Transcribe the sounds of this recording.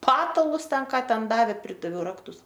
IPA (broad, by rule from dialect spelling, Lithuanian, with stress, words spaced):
ˈpɑːtɐlˠʊs ˈtʲɛn ˈkɑː ˈtʲɛn ˈdɑːʋʲeː ˈpʲrʲɪdɐʋʲɛʊ ˈrɑːktʊs